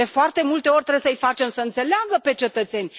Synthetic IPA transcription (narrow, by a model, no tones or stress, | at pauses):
e̞foart̪e̞mult̪e̞o̞rʲt̪ɾejesəɨijfat͡ʃe̞msəɨnt̪se̞leaɡəpe̞t͡ʃe̞t̪ət̪se̞nʲ